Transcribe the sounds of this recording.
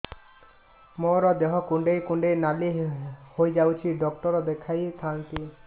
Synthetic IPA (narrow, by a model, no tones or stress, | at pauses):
moɾɔd̪eɦɔkũɳɖejkuɳɖejnalihojd͡ʒawt͡ʃʰiɖɔkʈɔɾɔd̪ekʰajt̪ʰant̪i